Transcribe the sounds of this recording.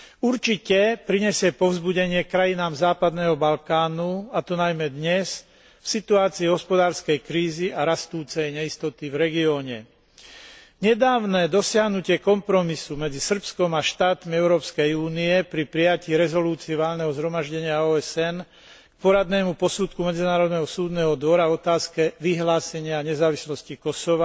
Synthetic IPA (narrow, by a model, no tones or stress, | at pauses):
uɾt͡ʃicɛpɾiɲɛsɪɛpɔʊzbuɟɛɲɪɛkɾajinaːmzaːpad̪nɛːɦɔbalkaːnuat̪ɔnajmɛd̪ɲɛs | fsit̪uaːt͡siːɦɔspɔd̪aːɾskɛjkɾiːziaɾast̪uːt͡sɛjɲɛist̪ɔt̪ivɾɛɡiɔːɲɛ | ɲɛd̪aːʋnɛːd̪ɔsɪaɦnucɪɛkɔmpɾɔmisumɛd͡zisr̩pskɔmaʃt̪aːt̪miɛʊɾɔːpskɛjuːniɛpɾipɾijaciːɾɛzɔluːt͡siiʋaːlnɛɦɔzɦɾɔmaʒɟɛɲɪaɔːɛsɛn | k̚pɔɾad̪nɛːmupɔsut̪kumɛd͡zinaːɾɔd̪nɛɦɔsuːd̪nɛːɦɔd̪ʋɔɾavɔt̪aːskɛʋiɦlaːsɛɲɪaɲɛzaːʋislɔscikɔsɔʋa